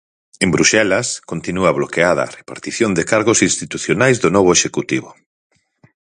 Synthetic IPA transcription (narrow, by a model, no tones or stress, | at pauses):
embɾuʃɛlɐskont̪inuɐβlokeað̞ɐ̰ːrepa̰ɾt̪iθjond̪ɪkaɾɣosĩnst̪it̪uθjonajzðʊnɔβʊeʃekut̪iβʊ